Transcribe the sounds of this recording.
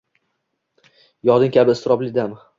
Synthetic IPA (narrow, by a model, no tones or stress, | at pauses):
jɒd̪ɪŋʲkʲʰabɪɪst̪ɾɒblɪd̪am